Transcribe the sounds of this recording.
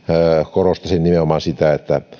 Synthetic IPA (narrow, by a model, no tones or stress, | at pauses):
korost̪ɑsinnimeomɑnsit̪æet̪ːæ